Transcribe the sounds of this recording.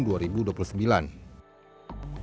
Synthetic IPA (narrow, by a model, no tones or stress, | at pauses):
nduaɾibuduapulusəmbilan